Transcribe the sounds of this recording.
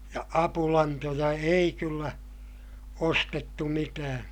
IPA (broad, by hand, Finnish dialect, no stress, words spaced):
jɑ ɑpulɑntojɑ ei kylːæ ostetːu mitæː